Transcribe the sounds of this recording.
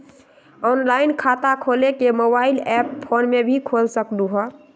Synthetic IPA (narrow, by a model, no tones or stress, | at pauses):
ɔnlainkʰat̪akʰolekemobailɛppʰːonmebʱikʰolsəkluɦɔ